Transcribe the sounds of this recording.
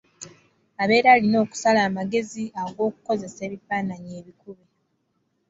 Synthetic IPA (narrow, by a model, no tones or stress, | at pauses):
aβe̞ːɾaːlino̞ːku̥salaːmaɡe̞ziaɡo̞ːku̥ko̞ze̞se̞ːβifaːnaɲe̞ːβikuβe